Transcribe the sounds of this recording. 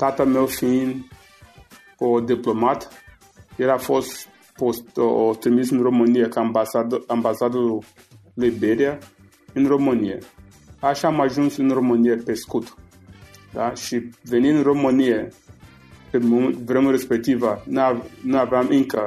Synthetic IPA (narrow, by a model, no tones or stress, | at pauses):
t̪at̪əme̞wfin | od̪iplo̞mat̪ | jeɾafo̞st̪ | post̪ot̪ɾimisɨnro̞mɨnijekabasad̪ambasad̪uu | lijbeɾia | ɨnromɨnijḛ | aʃaːmaʒunsɨnro̞mɨnijepe̞skut̪ | d̪aʃivenind̪ɨro̞mɨnije | pemomt̪vɾemuɾespek̚t̪ivənanuaveamɨŋkə